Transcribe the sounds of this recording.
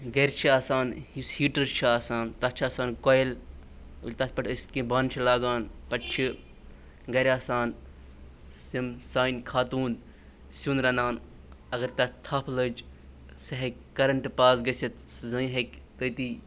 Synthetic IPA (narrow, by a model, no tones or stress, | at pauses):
ɡɐɾʲt͡ʃʰiaːsaːnhishiːʈɐɾt͡ʃʰiaːsaːnt̪ɐt͡ʃʰaːsaːnkojl | ulʲt̪ɐt̪pɐʈʰəsʲt̪kĩbaːnt͡ʃʰilaːɡaːnpɐʈt͡ʃʰi | ɡɐɾʲaːsaːn | simsaːinkʰaːt̪uːn | suːnɾɐnaːn | ɐɡɐɾt̪ɐt̪ʰɐpʰləd͡ʒ | sɐɦɐkkɐɾɐɳʈpaːsɡɐsɐt̪zɐɦɐkʲt̪ət̪i